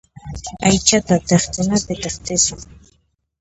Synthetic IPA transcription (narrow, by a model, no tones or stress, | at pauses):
ajt͡ʃat̪at̪eχkʊnapɪt̪eχt̪ɪsʊŋ